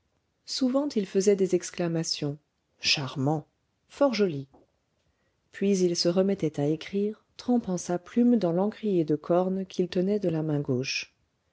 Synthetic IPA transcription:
suvɑ̃t̪ilfəzɛd̪ezɛksklamasjɔ̃ | ʃaʁmɑ̃ | fɔʁʒɔli | pɥizilsəʁəmɛt̪ɛt̪aekχiʁt̪χɑ̃pɑ̃saplymd̪ɑ̃lɑ̃kʁijed̪əkʰɔʁnkʰʲilt̪ənɛd̪əlamɛ̃ɡoʃ

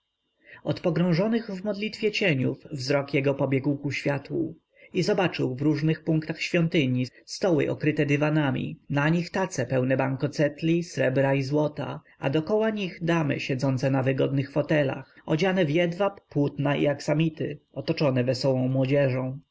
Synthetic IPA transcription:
ɔt̪pɔɡɾɔ̃w̃ʐɔnɘɣvmɔd̪lʲit̪fʲjɛt͡ɕɛɲufvzɾɔkjɛɡɔpɔbʲjɛɡwkuɕfʲjat̪wṵ | izɔbat͡ʂɘwvɾuʐnɘxpuŋkt̪axɕfʲjɔnt̪ɘɲi | st̪ɔwɘ̰ʔɔkɾɘt̪ɛd̪ɘvanamʲḭnaɲixt̪at̪sɛpɛwnɛbaŋkɔt̪sɛt̪lʲisɾɛbɾaizwɔt̪a̰ | a̰d̪ɔkɔwaɲiɣd̪amɘ̰ɕɛd̪zɔnt̪sɛnavɘɡɔd̪nɘxfɔt̪ɛla̰xɔd͡ʑanɛvjɛd̪vapwut̪naʔḭaksamʲit̪ɘɔt̪ɔt͡ʂɔnɛvɛsɔwɔ̃w̃mwɔd͡ʑɛʐɔ̃w̃

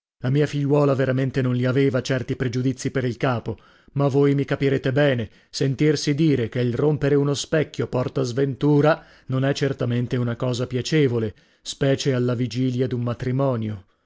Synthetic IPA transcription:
lamiːafiʎːwɔːlaveɾament̪enonliaveːvat͡ʃɛrt̪ipɾed͡ʒud̪it̪sːipeɾilkaːpo | mavːojmikapiɾeːt̪ebɛːne | sent̪irsid̪iːɾek̟eilrompeɾeunospɛkʲːjopɔrt̪azvent̪uːɾa | nonɛt͡ʃːert̪ament̪eunakɔːzapjat͡ʃevole | spɛːt͡ʃealːavid͡ʒiːljad̪ummat̪ɾimɔːnjo

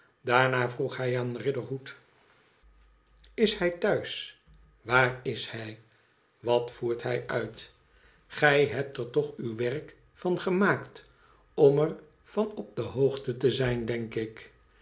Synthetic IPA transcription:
daːɹnaːvruχɦɛjaːnrɪdəɹɦut | ɪshɛjtœɥs | ʋaːrɪshɛj | ʋɑtfuːɹtɦɛjʔœɥt | χɛjɦɛp̚təɹtɔχywʋɛrk | fɑnχəmaːkt | ɔmər | v̥ɑnɔp̚dəɦowχtətəzɛjndɛŋkɪk

